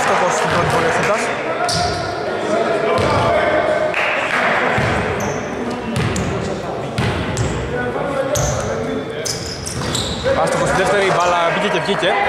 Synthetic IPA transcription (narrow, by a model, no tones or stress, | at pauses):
st̪okosst̪ibɾot̪ipoɾiosit̪ɐs | ɐst̪okost̪ðeft̪eɾivɐlɐviʝecevʝice